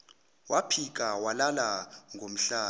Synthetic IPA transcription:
wapʰik̬ʼawalalaŋʱom̩ɬaː

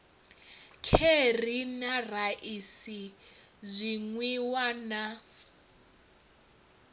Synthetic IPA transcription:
kʰerinaraʔisizʷiŋwiwana

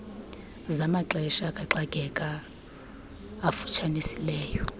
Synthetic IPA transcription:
zamaǁɛʃakʼaǁaɡ̥ʱɛkʼa | fu̥t͡ʃʰanisilɛːjɔ

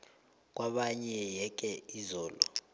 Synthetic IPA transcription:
k̬waɓaɲɛjɛk̬ɛizɔːlɔ̰

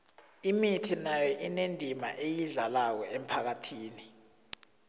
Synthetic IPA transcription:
imitʰinajɔʔinendʱima̰ʔejiɮalak̬ɔʔem̩pʰak̬atʰiːni

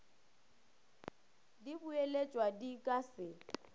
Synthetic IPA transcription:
dibuelet͡ʃʼwadikʼasɪ

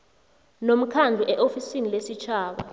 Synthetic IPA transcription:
nom̩kʰand͡ɮʱuʔɛʔofisinilesit͡ʃʰaːɓa̰

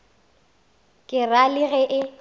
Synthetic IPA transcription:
kʼɪralɪɣɛʔɪ

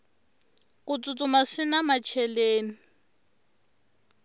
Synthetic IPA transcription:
kʼʊt͡sʼʊt͡sʼʊmaʂɪnamat͡ʃʰɛleːni

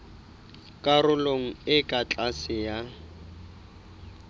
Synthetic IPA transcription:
kʼarʊloŋ̩ɪkʼat͡ɬʼasɪja

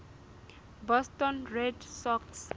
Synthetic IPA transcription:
bɔstɔnrɛdsɔks

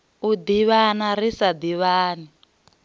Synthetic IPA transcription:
ud̪iβanaɾisad̪iβaːni

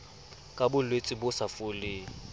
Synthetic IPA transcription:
kʼabʊlwet͡sʼɪbʊsafʊlɪ

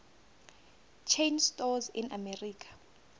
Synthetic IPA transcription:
t͡ʃʰejnstɔzḭnamɛriːkʰḁ

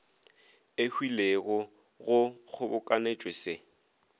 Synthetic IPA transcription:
ɪhwileɣɔ | ɣʊk͡xʰʊbʊkʼanet͡ʃʼwesɪ

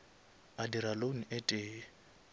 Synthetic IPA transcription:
adiɾaloŋ̩ʔɛtʼeː

